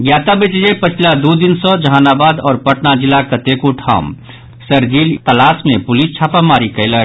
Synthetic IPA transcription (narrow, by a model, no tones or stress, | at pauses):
ɡjaːt̪abet͡ʃd͡ʒepət͡ʃʰlad̪od̪ɪnsɔd͡ʒɐɦaːnaːbaːd̪ɔːɾpəʈnad͡ʒɪlakət̪ekoʈʰa̰ːm | səɾd͡ʒiːlt̪əlaːsmẽpʊlist͡ʃʰaːpamaːɾikəɪla